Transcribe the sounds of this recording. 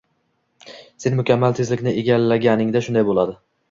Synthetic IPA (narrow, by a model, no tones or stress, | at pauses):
se̞nmʊkʲʰamːalt̪ʰezlɪkʲnɪeɡʲalːaɡʲanɪŋd̪aʃʊnd̪ajbolˠad̪ɪ